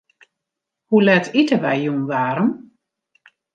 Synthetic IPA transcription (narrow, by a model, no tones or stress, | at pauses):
hulɛtʰitəʋɛjjunʋaːɾəm